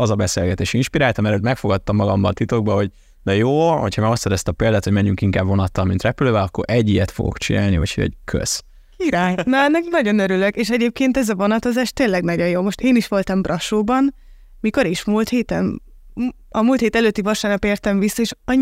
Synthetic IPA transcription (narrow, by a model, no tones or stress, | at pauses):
ɒzɒbɛsḛːlɡɛt̪eːʃinʃpiɾaːlt̪ɒmɛɾøːt̪mɛkfo̞ɡɒt̪ːɒmːɒɡɒmbɒnt̪it̪oɡ̚bɒɦo̞ɟ | d̪ɛjoːho̞cʰhɒmaːɒst̪sɛd̪ɛst̪ɒpeːld̪aːt̪ho̞ɟmɛɲːyŋkiŋkaːbvo̞nɒt̪ːɒmmint̪rɛpyløːvɛlɒkːo̞̰ɾʔɛɟːijɛt̪fo̰ɡo̰kt͡ʃḭna̰ːlnḭvɒ̰chɛ̰ɟkʰø̰z̥ | kiɾaːjnɒɛnːɛknɒɟo̞nøɾyløkeːʃɛɟeːp̚keːnt̪ɛzɒvo̞nɒt̪o̞zaːʃt̪eːnlɛɡnɒɟo̞joːmo̞ʃt̪eːniʃʋo̞lt̪ɒmbrʔɒʃoːbɒn | miko̞ɾeːʃmult̪heːt̪ɛn | ɒmuːlt̪heːt̪ɛløːt̪ːivɒʃaːrnɒpeːrt̪ɛɱvisːɒeːʃɒ